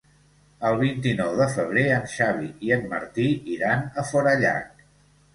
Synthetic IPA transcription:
əlˠβ̞int̪inɔwðəfəβ̞ɾeənʃaβ̞iiənmə̰ɾt̪iiɾanəfɔɾəʎa̰k

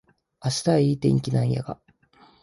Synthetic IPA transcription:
aɕi̥t̪aiːt̪ẽ̞̰ŋkʲinãɰ̃ja̰ɡa

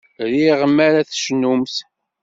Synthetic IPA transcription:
ɾiʁəmːæɾæθʃnumθ

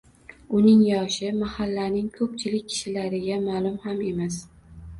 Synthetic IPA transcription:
ʊnɪŋjɒʃɪmahalːanɪŋkʰɵp̚t͡ʃʰɪlɪk̚ʲʰːɪ̥ʃɪlaɾɪɡʲamalˠʊmhame̞mas

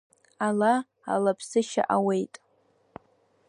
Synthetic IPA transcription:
ala | a̰lapʰsɨʃa̰ʔawe̞jtʼ

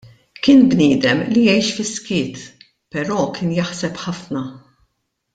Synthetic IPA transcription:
kɪːnbnɪːd̪ɛmlijɛjʃfɪskɪːt̪ | pɛɾɔːkɪːnjɐħsɛpħɐfnɐ

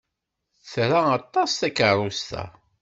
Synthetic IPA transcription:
θɾaɑt̪ˤːɑsθækərˤust̪æ̰

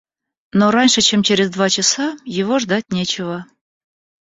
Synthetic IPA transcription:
noɾɑnʲʃət͡ɕemt͡ɕeɾʲezd̪vɑt͡ɕɪsɑjɪvoʐd̪ɑtʲnʲet͡ɕɪvə

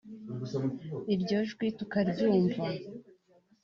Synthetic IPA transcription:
iɾɟo̞ʒɡwitukaɾɟuːɱva

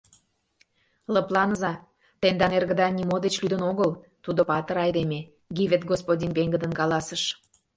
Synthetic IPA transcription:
ləplˠɑnəzɑ | t̪end̪ɑnerɣə̆d̪ɑnʲimod̪et͡ɕlyd̪ənoɣəlt̪ud̪opɑt̪ə̆ɾɑjd̪eme | ɡivʲet̪̚ɡospodʲinpeŋɡəd̪ənkɑlɑsəʃ

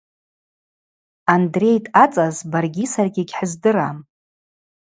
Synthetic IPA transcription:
andre̞jtʰʼat͡sʼazbarɡʲisarɡʲɪɡʲħəzdɨram

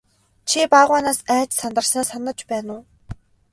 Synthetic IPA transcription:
t͡ɕʰipaʁaːnaːsæːt͡ɕsant̪ə̆rsnaːsanə̆t͡ɕpæːnʊː

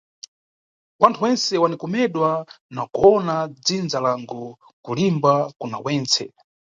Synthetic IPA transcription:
wantʰuwɛnsɛwanikɔmɛɗwanakuɔnad͡zind͡zalaŋɡu | kulimbakuna̰wɛːnt͡sɛ̰

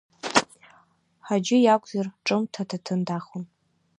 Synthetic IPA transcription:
ħad͡ʒɪjakʷʼzarʈ͡ʂʼɨmtʰatʰatʰɨndaχon

